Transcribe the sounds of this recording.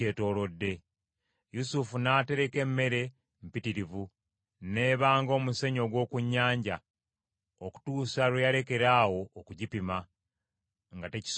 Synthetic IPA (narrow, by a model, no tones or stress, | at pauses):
eːto̞ːɾo̞dːe̞ | jusufunaːte̞ɾe̞ke̞mːe̞ɾe̞ | m̩pitiɾivu | ne̞ːβaːŋɡo̞ːmuse̞ɲo̞ɡwo̞ːkuɲːaːɲɟa | oku̥tuːsaɾwejaɾe̞ke̞ɾaːwo̞ːkuɟipima | ŋɡateci̥s